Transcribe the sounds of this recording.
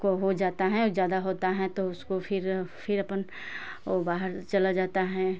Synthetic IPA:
koɦod͡ʒaːt̪aɦɛ̃ɔzjaːd̪aɦoːt̪aɦɛ̃t̪oʊskofʰɪɾfʰɪɾɐpən | obaːɦəɾt͡ʃɐlad͡ʒaːt̪aɦɛ̃ː

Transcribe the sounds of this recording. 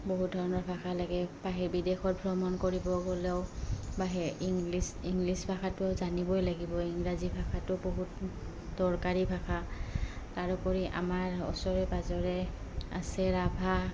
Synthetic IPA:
boɦut̚dʱɔɹɔnɔɹbʱaxʰalaɡɛbaɦɛɹbidexɔt̚bʱɹɔmɔnkoɹibɔɡolɛʊbaɦɛiŋlisiŋɡlisbʱakʰatʊazanibɔjlaɡibɔiŋɹazibʱakʰatʊboɦut | dɔɹkaɹibʱakʰa | taɹɔkɔɹiʔa̰maɹɔ̰sɔɹɛbazɔɹɛ | a̰sɛɹabʱa

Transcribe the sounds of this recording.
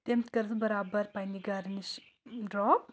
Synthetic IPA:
t̪emt̪kɐɾd̪bɐɾaːbəɾpajniɡɐɾniʃ | dɾɔːp̚

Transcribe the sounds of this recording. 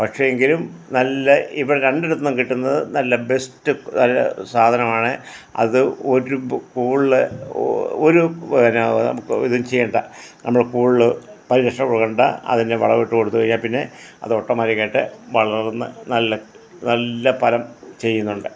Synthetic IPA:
pɐkʂe̞eŋɡilumnɐlːɐiʋiɽeɾeɳɖeɾut̪ːɐnːɐmkiʈːunːɐðɨnɐlːɐbe̞stːɨnɐlːɐ̰saːd̪ʱɐnɐmaːɳɨ | ɐ̰ðɨo̞ɾukuːɭlɨ | oɾuʋiʋɐɾɐanɐ̰mukːiðumt͡ɕejːɐɳɖɐnɐmːɐɭkuːɭɭɨpɐɾiɾɐʂɐkoɭuɣɐɳɖa̰ɐ̰ðindeʋɐ̰ɭɐʋeʈːuko̞ɽut̪ːuʋɐɻiɲːaːlpinːe̞ɐ̰ðɨo̞ʈːɐmɐːɾikːaːjiʈːɨʋɐɭɐrnːɨ̰nɐlːɐ | nɐlːɐpɐlɐmt͡ɕe̞jːunːuɳɖɨ

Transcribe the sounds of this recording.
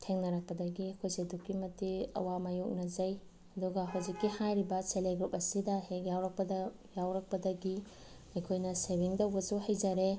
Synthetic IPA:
tʰeŋnɐɾɐk̚pɐdɐɡiɐkʰojsedukːimɐtiɐ̰wamajuk̚nɐzɐj | ɐduɡɐɦɐwzikːihajɾibɐseleɡɾup̚ɐsidɐhekjawɾɐk̚pɐdɐ | jawɾɐk̚pɐdɐɡi | ɐjkʰojnɐsebiŋdɐwbɐsuhɐjd͡ʒɐɾe

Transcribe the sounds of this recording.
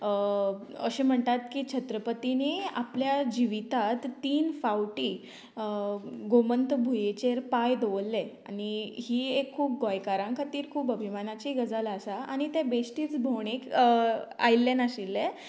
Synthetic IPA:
ə | əɕẽm̤əɳt̪at̪kiːt͡ɕʰət̪ɾəpət̪inea̰pljad͡ʑiʋit̪at̪ːiːnfawʈiː | ɡomənt̪əbʱujet͡ɕeɾpajd̪oʋəlːeaniɦiːekʰːuːp̚ɡɔjkaɾãŋkʰat̪iːɾkʰuːpəbʱimanat͡ɕiɡəd͡zaləsaañit̪ɛbesʈiːt͡sbʱoɳ̃ek | a̰jlːenaɕilːe

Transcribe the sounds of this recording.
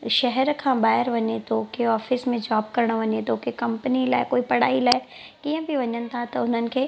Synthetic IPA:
ʃɐɦɛɾkʰãːbaːɦɪɾʋɐɲet̪oːkeɔːfɪsmẽd͡ʑaːb̚kɐɾəɽ̃ʋɐɲet̪oːkekɐ̃mpnilaːɪkoːipɐɽ̤aːilaːɪ | kiːə̃bʱiʋɐɲənɪ̆t̪ʰat̪ɐʊn̤ənɪ̆kʰeː

